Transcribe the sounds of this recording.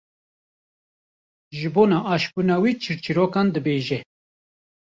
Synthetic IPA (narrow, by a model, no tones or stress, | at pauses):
ʒɨboːnaʔaːʃpunawit͡ʃʰɨɾt͡ʃiɾoːkand̪ɨbeːʒɛ